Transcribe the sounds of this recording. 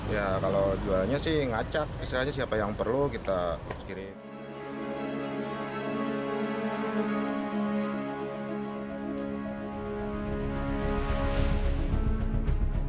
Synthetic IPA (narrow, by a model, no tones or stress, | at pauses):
jakalowd͡ʒuaɲasɪhŋat͡ʃak̚isiɾaɲas̬iapajaŋpərlukit̪askiɾi